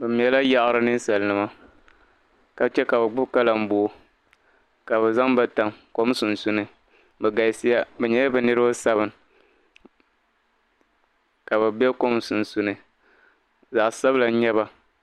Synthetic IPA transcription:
bɛ˨m̩˨ɛ˨la˦ja˦ʔɾɨ˦nɨ˦n̩˦sa˨lnɨ˨ma˦ | ka˨t͡ʃɛ˦ka˨bɛ˨ɡ͡bʊ˦bka˦la˨m̩˦bo˨˦ | ka˨bɛ˨za˦ŋbɛ˦ta˨mko˦m˦su˨n̩˨su˦nɨ˨ | bɛ˨ɡa˨ɪ˨sɪ˦ja˦bɛ˨ɲɛ˦jɛ˦bɛ˨nɨ˦ɾɨ˦ba˦sa˦βɨ˨n˨ | ka˨bɛ˨bɛ˦ko˦msu˨n˨su˦nɨ˨ | za˨ʔsa˦bɨ˦la˨˦ɲɛ˦βa˨

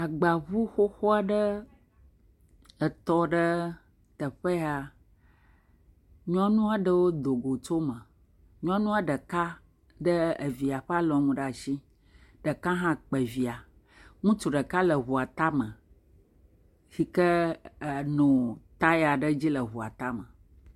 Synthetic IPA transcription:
a˨ɡ͡ba˨βu˦xo˦xɔ˦a˨ɖə˦ | ə˨t̪ɔ˦ɖə˦ | t̪ə˨ɸə˦a˨ | ɲɔ̃˦nũ˦a˨ɖə˨wo˦d̪o˨ɡo˨t͡ʃo˦mə̃˨ | ɲɔ̃˦nũ˦a˨ɖə˨ka˦ | ɖə˦ə˨vi˨a˨ɸə˦a˦lɔ̃˨ŋũ˨ɖə˦a˨ʃi˦ | ɖə˨kã˦ɦã˦k͡pə˨vi˨a˨ | ŋũ˦t͡ʃu˨ɖə˨ka˦lə˨ɦu˨a˨t̪a˦mə̃˨ | fi˨kə˦˨ | nũ˨t̪a˦ja˨ɖə˦d͡ʑi˦lə˨ɦu˨a̰˨t̪a˦mə˨

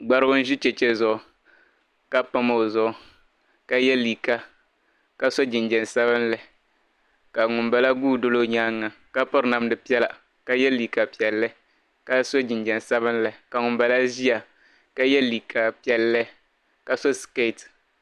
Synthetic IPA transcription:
ɡ͡ba˦ɾɨ˦ɡʊ˦n̩˦ʒɪ˦t͡ʃɛ˨t͡ʃɛ˦zʊ˦˨ʊ˨ | ka˦pa˦mo˦˨zʊ˦ʔʊ˦ | ka˦jɛ˦li˨ka˦ | ka˦so˦d͡ʒɪ˨nd͡ʒɛ˨n˨sa˦βɨ˦nlɨ˨ | ka˨ŋʊ˨mba˨la˦ɡuː˦˨do˦lo˦ɲaː˦ŋːa˨ | ka˦pʊ˦ɾna˦m˦dɨ˨pi˦ɛ˦la˨ | ka˦jɛ˦li˨ka˨pɛ˨lːɨ˦ | ka˦so˦d͡ʒɪ˨nd͡ʒɛ˨n˨sa˦bɨ˦n˦lɨ˨ka˨ŋʊ˨mba˨la˦ʒi˦a˨ | ka˦jɛ˦liː˨kʰa˨pi˦ɛ˨lːɨ˦ | ka˨so˦ske˦˨t

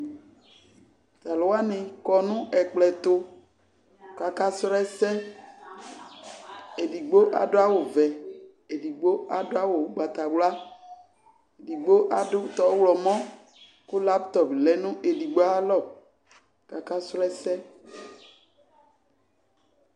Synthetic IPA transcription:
t̪a˨lʊ˨wa˦nɪ˨kɔ˨nʊ̃˦ʔɛ˨k͡plɛ˨t̪ʊ˦ | ka˨ka˦sɾɛ˦sɛ˦ | e˨di˨ɡ͡bo˦ʔa̰˨dʊ˦a˦wo˨vɛ˨ | e˨di˨ɡ͡bo˦a˨dʊ˦a˦wo˨˦ɡ͡ba˨t̪a˨wla˦ | e˨di˨ɡ͡bo˦ʔa˨dʊ˦t̪ɔ˨˦wlɔ˨mɔ̃˦ | kʊ˦la˦pt̪ɔ˨plɛ˨nũ˦ʔe˨di˨ɡ͡bo˦a˦lɔ˦˨ | ka˨ka˦sɾɛ˦sɛ˦

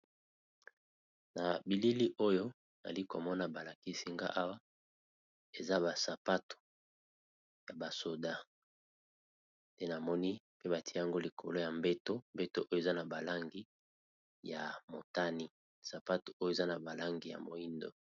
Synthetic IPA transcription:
na˨bi˨li˦li˦ʔo˦jo˦ | na̰˨li˦ko̰˨mɔ˦na˨ba˨la˨ki˦si˦ŋɡa̰˦ʔa˦wa˦ | e˨za˦ba˨sa˨pa˦to̥˨ | ja˨ba˨so˨da˦ | te˦na˨mɔ˦ni˦pe˦βa˨ti˦ja˨ŋɡo˦li˨kʰo̰˨lo˦ja˨mbe˦to˦mbe˦to˦ʔo˦jo˦e˨za˦na˨ba˨la˦ŋɡi˦ | ja˨mo˨ta˦ni˦ | sa˨pa˦to̥˨ʔo˦jo˦e˨za˦na˨ba˨la˦ŋɡi˨ja̰˨mo˨i˦ndo̰˦

